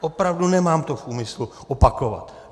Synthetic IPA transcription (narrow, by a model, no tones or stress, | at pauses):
ʔopɾavdunɛmaːmt̪ofʔuːmɪsluʔopako̞va̰t̪